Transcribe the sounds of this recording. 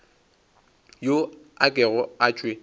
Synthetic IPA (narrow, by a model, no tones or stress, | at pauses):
joakʼɛɣɔat͡ʃʼwe